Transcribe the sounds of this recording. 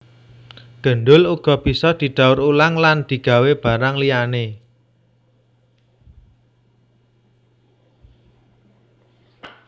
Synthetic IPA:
ɡ̥ə̤nɖʊluɡ̥ɔ̤b̥i̤sɔd̪̥i̤ɖ̪̥a̤ʊɾulaŋland̪̥i̤ɡ̥a̤web̥a̤ɾaŋlijane

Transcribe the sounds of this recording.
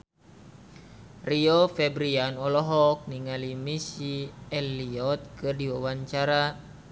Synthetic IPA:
riɔfɛbɾianɔlɔɦɔk̚niŋalimisiɛlːiɔt̪̚kɨrdiwawaɲt͡ʃaɾa

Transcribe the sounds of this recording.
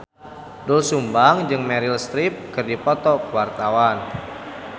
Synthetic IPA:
dulsumbaŋd͡ʒɨŋmɛɾilst̪ɾip̚kɨrdipɔt̪ɔkəwart̪awan

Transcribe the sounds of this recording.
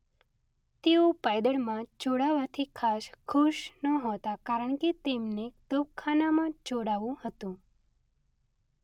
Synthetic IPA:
t̪eũpajd̪əɭmãd͡ʒoɽaʋat̪ʰikʰaʃkʰuʃnəɦot̪akaɾəɳ̃ket̪emnet̪op̚kʰanamãd͡ʒoɽaʋũhət̪ũ

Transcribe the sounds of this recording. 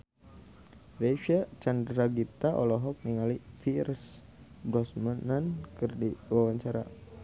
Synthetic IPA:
reʃat͡ʃandɾaɡit̪aʔɔlɔɦɔk̚niŋalifirs | bɾɔsmanankərdiwawaɲt͡ʃaɾa̰

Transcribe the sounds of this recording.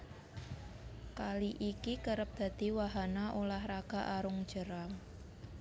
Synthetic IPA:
kaliʔikikəɾəp̚d̪̥a̤d̪̥i̤waɦanaʔolahraɡ̥a̤ʔaɾʊŋd̥ʒ̥ə̤ɾaŋ

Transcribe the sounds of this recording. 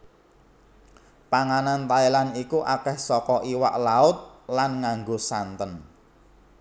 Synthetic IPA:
paŋanant̪aelanikuʔakɛhsɔkɔʔiwa̰ʔlaʊt̪̚lanŋaŋɡosant̪ən

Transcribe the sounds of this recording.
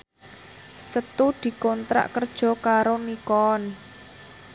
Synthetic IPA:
sət̪ud̪̥i̤kɔnt̪ɾa̰ʔkərd̥ʒ̥ɔ̤kaɾonikɔn

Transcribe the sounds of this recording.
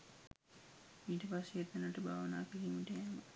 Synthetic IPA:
miːʈəpaseet̪ːenəʈəbaːʋənaːkiliːmuʈɛmə

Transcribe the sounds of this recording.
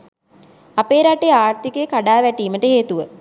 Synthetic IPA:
apeːɾaʈːeaːrt̪ikekaɖaːʋɛʈiːməʈəɦeːt̪uʋə

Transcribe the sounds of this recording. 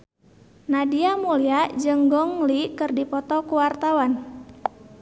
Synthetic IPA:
nadiamuliad͡ʒəŋɡɔŋlikɨrdipɔt̪ɔkuwart̪awan

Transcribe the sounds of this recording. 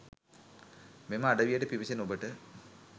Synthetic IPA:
meməaɖɐʋijəʈəpiʋisenobəʈə

